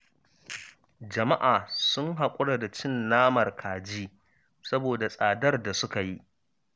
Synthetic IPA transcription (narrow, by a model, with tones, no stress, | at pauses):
d͡ʒɐ˨ma˦ʔaː˨sʊ˦ŋɦa˨kʷʼʊ˦ɽa˨da˨t͡ʃɪ˦nːaː˦mɐ˨rkʰaː˨d͡ʒiː˦ | sɐ˦boː˨da˨sʼaː˨dɐ˦rda˨sʊ˦ka˨ji˦